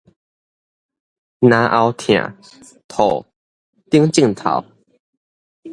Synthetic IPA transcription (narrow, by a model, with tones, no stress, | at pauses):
nã˨˧ʔa˧wt̪ʰj̃ã̰˨˩˨ | t̪ʰo˨˩ | t̪i˦əŋt͡ɕi˥˨ŋt̪ʰa̰˨˩˦w